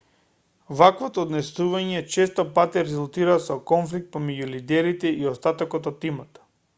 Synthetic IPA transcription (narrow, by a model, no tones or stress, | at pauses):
vakvot̪ɔːd̪nɛsuvaɲɛt͡ʃɛst̪ɔpat̪ɛɾɛzulˠt̪iɾasɔkɔnflik̚t̪̚pomɛɟulid̪ɛɾit̪ɛiost̪at̪ɔkɔt̪ɔt̪ːimat̪ḁ